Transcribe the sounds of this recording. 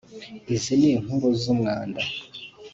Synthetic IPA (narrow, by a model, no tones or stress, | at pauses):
izineːŋ̥uɾozumŋaːnda